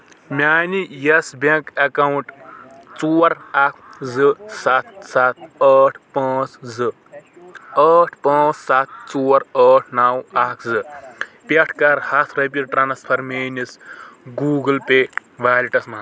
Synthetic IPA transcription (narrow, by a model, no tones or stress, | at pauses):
mʲaːnijɐsbʲekɐkɐwuɳʈt͡suːɐɾakʰzɨsat̪sat̪̚ʰɐːʈʰpaːt͡szɨ | ɐːʈʰpãːt͡ssat̪̚ʰt͡soːɐɾɐːʈʰnawakʰzɨpʲeʈʰkɐɾhɐsʰɾɐpʲiʈ̚ʈɾaːnspʰɐɾmeːnisɡuːɡɨlpeː | ʋaːliʈɐsma